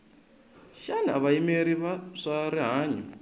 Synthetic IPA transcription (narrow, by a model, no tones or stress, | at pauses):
ʃaniaβaimeɾiβaʂaɾiɦaːɲɔ